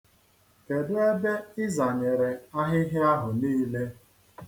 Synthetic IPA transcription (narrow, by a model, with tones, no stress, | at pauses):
e˨dʊ˦e˦be˦ɪ˦za˨ɲe˨ɾe˨a˦ɦɪ˦ɦɪ˦a˦ɦʊ˨niː˦le˦